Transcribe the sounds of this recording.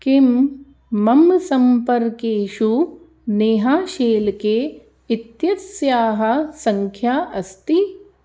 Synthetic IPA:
kimː | ɐmsɐmpɐɾkeːʃu | neːɦaːʃeːlkeː | it̪jɐsjaːɦɐ̆sɐŋkʰjaːʔɐst̪i

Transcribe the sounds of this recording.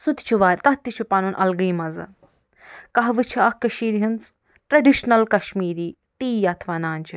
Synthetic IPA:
sut̪t͡ʃʰuʋaːɾʲt̪ɐt̪ːit͡ʃʰupanuːnʔɐ̰lɡɨjmɐzɨ̰ | kɐɦʋɨt͡ʃʰiɐkːɐʃiːɾɦint͡s | ʈɾɐɖiʃnɐlkɐʃmiːɾiː | t̪iːjaːt̪ʰʋaːnaːnʲt͡ʃʰi

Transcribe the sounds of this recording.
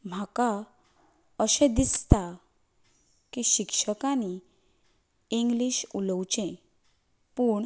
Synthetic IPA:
m̤aka | əɕɛ̃d̪ist̪a | kiɕikʂəkani | iŋɡliɕuləwt͡ɕɛ̃ | puɳ

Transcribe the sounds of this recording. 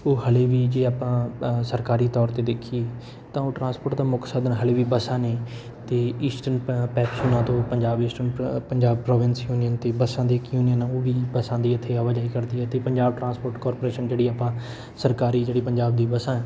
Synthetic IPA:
oːɦəleːʋiːd͡ʒeːaːpãːsəɾkaːɾiːt̪ɔːɾt̪eːd̪ekʰieː | t̪ãːoːʈɾãːnspoːɾʈd̪aːmʊksəd̪nɦəleːʋiːbəsãːneː | t̪eːiːsʈənpɛːpsoːnãːt̪õːpəɲd͡ʒaːbiːsʈənpəɲd͡ʒaːb̚pɾɔːʋɪnsjuːnɪjənt̪eːbəsãːd̪eːkjuːnɪjənãoːʋiːbəsãːd̪iːət̪ʰːeːəʋəd͡ʒaːiːkəɾd̪iːɦɛːt̪eːpəɲd͡ʒaːb̚ʈɾãːspoːɾʈkɔːɾpoːɾeːʃənd͡ʒeːɽiːaːpãː | səɾkaːɾiːd͡ʒeːɽiːpəɲd͡ʒaːb̚d̪iːbəsãːɛː

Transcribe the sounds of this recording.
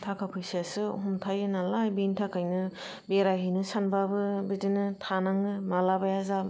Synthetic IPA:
tʰakʰapʰɯjsiasɯɦumtʰajɯnalajbintʰakʰajnɯ | beɾaɦɯjnɯsanbabɯbidinɯtʰanaŋɯmalabajaza

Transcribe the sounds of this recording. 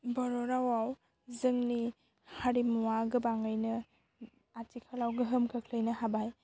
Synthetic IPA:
bɔɾɔɾawaw | zɯŋni | haɾimuwaɡɯbaŋɯjnɯ | atikʰalawɡɯɦɯmkʰɯkʰlɯjnɯɦabaj

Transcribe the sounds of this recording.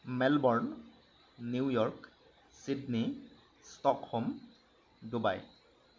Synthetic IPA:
mɛlbɔɹn | niwjɔɹk | sidni | stɔkhɔm | duba̰j

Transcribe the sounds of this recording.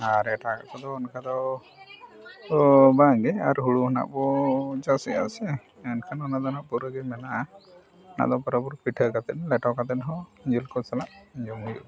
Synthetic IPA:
aɾɛʈʰaka̰ʔkʰɔd̪ɔːnkʰad̪ɔ | baŋɡɛaɾɦuɽuɦɔna̰ʔbɔd͡ʒasɛa̰sɛ | ɛnkʰanɔnad̪ɔnaʔpuɾəɡɛmɛnaʔa | na̰ʔd̪ɔpɔɾɔbuɾpiʈʰəkat̪ɛt̪̚lɛʈɔkat̪ɛt̪ɦɔd͡ʒilkɔsalaʔd͡ʒɔmɦujṵʔ

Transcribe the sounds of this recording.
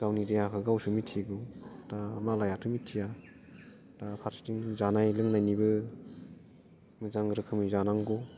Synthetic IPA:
ɡawniɾijakʰɯɡawsumitʰiɡɔtamalajatʰɯmitʰija | tapʰaɾstiŋzanajlɯŋnajnibɯ | mɯzaŋɾɯkʰɯmizanaŋɡɔ

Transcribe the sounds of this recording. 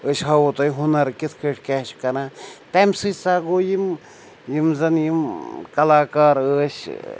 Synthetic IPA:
əʃɦɐwut̪ojɦunɐɾkit̪ʰkəʈʰkɛʃʰkɐnat̪ɛmsɨt͡saːɡoːjim | jimzɐnjimkɐlaːkaːɾəːʃ

